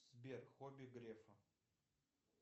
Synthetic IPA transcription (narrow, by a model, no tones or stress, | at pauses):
sbʲerxobʲiɡɾefɐ